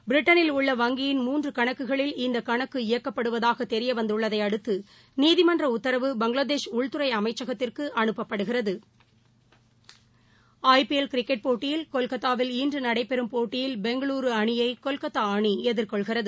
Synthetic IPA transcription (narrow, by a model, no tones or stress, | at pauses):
bɪɾɪʈːɐnɪlʊɭːɐʋɐŋɡɪjɪnmuːndrɯkɐɳɐkːɯɣɐɭɪlɪnd̪ɐkɐɳɐkːɯɪjɐkːɐpːɐɽɯʋɐðaːɣɐt̪ɛɾɪjɐʋɐnd̪ɯɭːɐðɐɪɐɽɯt̪ːɯ | niːðɪmɐndrɐʊt̪ːɐɾɐʋɯbɐŋɡɭaːðeːʂʊɭt̪ɯɾɐɪɐmɐɪt͡ʃːɐɣɐt̪ːɪrkɯʔɐɳɯpːɐpːɐɽɯɣɪrɐðɯ | ɐɪpiɛlkɪɾɪkːɛʈ̚poːʈːɪjɪlkɔlkɐt̪ːaːʋɪliːndrɯnɐɽɐɪpːɛɾɯmpoːʈːɪjɪlbɛŋɡɐɭuːɾɯɐɳɪjɐɪkɔlkɐt̪ːaːɳiɛðɪrkɔɭɣɪrɐðɯ